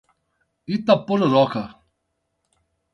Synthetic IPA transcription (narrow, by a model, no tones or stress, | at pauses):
it̪apːoɾoɾɔka